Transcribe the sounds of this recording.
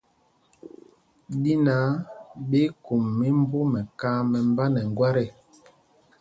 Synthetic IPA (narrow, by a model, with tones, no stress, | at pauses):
di˦na˨˦ɓe˦ku˨mːi˦m˦bu˦mɛ˨kaː˦mɛ˨m˦ba˦nɛ˨ŋ˨ɡwa˦ɾɛ˦˨